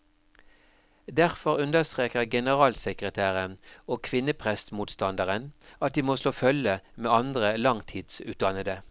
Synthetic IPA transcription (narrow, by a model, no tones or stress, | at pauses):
d̪æʁfɔʁʉnd̪əst̪ʁeːkəʁɡɛnəʁɑːlsəkʁət̪ʰæːʁənoːkʰʋɪnəpʰʁɛst̪muːt̪st̪ɑnd̪əʁənɑt̪̚d̪iːmoːsloːfœləmeːɑnd̪ʁəlɑŋt̪ʰiːd̪̥sʉ̰ːt̪̚d̪ɑnəd̪ə